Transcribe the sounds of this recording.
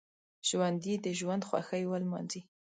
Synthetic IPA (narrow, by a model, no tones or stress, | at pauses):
ʒ̥wand̪id̪əʒwand̪xwa̰xəjwəlmɑ̰nzi